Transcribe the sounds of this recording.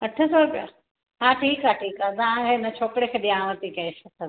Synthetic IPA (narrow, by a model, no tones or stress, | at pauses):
ɐʈʰəsɔːpɪja̰ | ɦãːʈʰiːkɦaʈʰiːkaːt̪ɐʋãkʰeɪnət͡ɕʰoːkɽekʰeːɗiãʋət̪ikesɐt̪ʰə